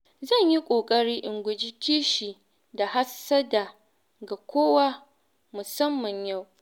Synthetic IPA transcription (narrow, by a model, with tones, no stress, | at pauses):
zɐ˦˨ɲji˦kʷʼoː˨kʼɐ˦ɽiː˦ʔɪ˨ŋɡʷʊ˨d͡ʒɪ˦tʰiː˦ʃi˨ | da˨ɦa˦sɐ˦da˨ | ɡa˨kʷoː˦wa˦ | mʊ˨sɐ˦mːɐ˨ɲja˦˨w